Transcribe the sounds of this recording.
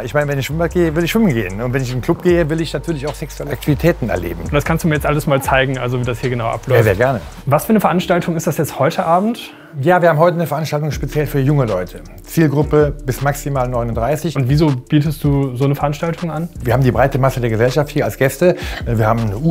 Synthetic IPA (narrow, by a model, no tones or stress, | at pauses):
ʔɪçmaɪnəvɛnɪçʃɪmbaɐt̚ɡ̥eːəvɪlɪçʃʋʏmnɡḛːənʊntv̥ɛnɪçɪndnkʰl̥ʊp̚ɡ̥eːəvɪlɪçnatʰyːɐlɪçaʊxsɛksuɛləʔaktʰivitʰɛːtn̩ɛ̰ɐlḛːbm̩ʊntd̥askʰanstd̥umiɐjɛt͡stʔaləsmaːlt͡saɪɡŋ̩ʔa̰lzoviːdashiːɐɡənaʊʔa̰plɔaːɐzeːɐɡɛɐnə | vasfyːɐnəfɛɐʔanʃtaltʰʊŋɪstd̥asjɛt͡sthɔʏtʰəʔaːbm̩t | jaːviːɐhaːm̩ɦɔʏtənəfɛɐʔanʃtaltʊŋʃpet͡sjɛlfyːɐjʊŋəlɔʏtʰə | t͡siːlɡʁʊpəb̥ɪsmaksimaːlnɔʏnʊntd̥ʁaɪsɪçʔʊntviːzoːb̥iːtəst̚d̥uːzoːnəfɛɐʔanʃtaltʰʊŋanviːɐhaːbm̩diːbʁaɪtəmasədeːɐɡəzɛlʃafthiːɐalsɡ̥ɛstəviːɐhaːbmnəʔu